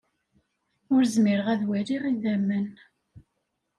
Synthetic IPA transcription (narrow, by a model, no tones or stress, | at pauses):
ʊɾzmɪɾəʁæðwæɾiʁiðæmːən